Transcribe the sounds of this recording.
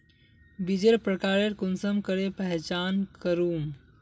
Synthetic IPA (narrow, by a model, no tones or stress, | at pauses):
bid͡ʒeɾpɾəkaɾeɾkunsəmkəɾepəɦt͡ʃankəɾum